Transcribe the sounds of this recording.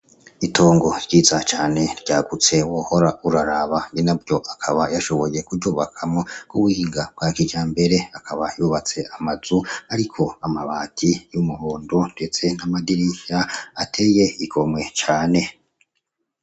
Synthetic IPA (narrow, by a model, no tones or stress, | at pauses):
itʰo̞ːŋɡo̞ɾɟiːzat͡ʃaːne̞ɾɟaːɡut͡se̞woho̞ɾaʔuɾaɾaβaŋinabɟjo̞ʔakʰaβajaʃo̞βo̞je̞kuɾɟuːβakʰamŋoɡuβuhiːŋɡab̚ɡaːkid͡ʒaːmbe̞ɾe̞akʰaβajuːβat͡se̞ʔamazuaɾikʰo̞amaβaːtʰijumuhoːndonde̞t͡se̞namadiɾiʃaatʰe̞je̞iko̞mŋwe̞t͡ʃaːne̞